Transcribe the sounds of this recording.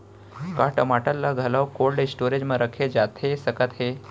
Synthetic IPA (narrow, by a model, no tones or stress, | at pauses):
kaʈəmaʈəlːaɡʱəlawkolɖesʈoɾed͡ʑməɾəkʰed͡ʑat̪esəkat̪he